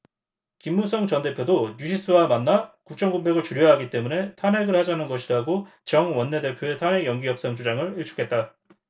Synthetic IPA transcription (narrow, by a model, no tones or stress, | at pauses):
kimːus͈ʰʌŋt͡ɕʌnde̞pʰjodoɲuɕʰis͈uwamanːakuk̚t͡ɕ͈ʰʌŋɡombe̞ɡɯɭt͡ɕuɾjʌɦaɡit͈e̞mune̞tʰane̞ɡɯɭhad͡ʑanɯnɡʌɕʰiɾaɡo | t͡ɕʌŋwʌnːe̞de̞pʰjoe̞tʰane̞jʌŋɡijʌp̚s͈ʌŋd͡ʑud͡ʑaŋɯɭiɭt͡ɕʰu̥kʰe̞t̚t͈a